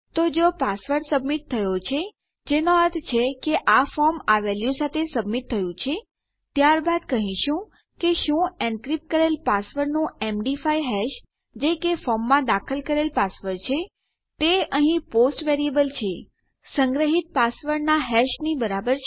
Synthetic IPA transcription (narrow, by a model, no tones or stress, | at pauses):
t̪od͡ʒopasʋəɾsəbmiʈ̚t̪ʰːəjot͡ʃʰe | d͡ʒenoəɾt̪ʰt͡ʃʰekeʔafɔmaʋɛljusat̪ʰesəbmiʈ̚t̪ʰəjũt͡ʃʰe | t̪jaɾbad̪kəɦĩʃũ | keʃũɛ̃ɳɖkɾipkəɾelpasʋəɾnũemɖifajɦɛʃ | d͡ʒekefɔmːãd̪akʰəlkəɾelpasʋəɾt͡ʃʰe | t̪eəɦĩposʈʋeɾiebəlt͡ʃʰe | sə̃ŋɡɾəɦit̪̚pasʋəɾnaɦɛʃnibəɾabəɾ